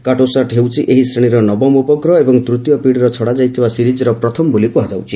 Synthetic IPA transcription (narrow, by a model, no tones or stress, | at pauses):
kaʈosaʈɦewt͡ʃʰiʔeɦisɾeɽ̃iɾɔnɔbɔmupɔkɾɔebɔŋt̪ɾut̪jɔpiɽɾɔt͡ʃʰɔɽad͡ʒajt̪ʰibasiɾid͡ʒɔɾɔpɾɔt̪ʰɔmɔbolipuɦad͡ʒawt͡ʃʰi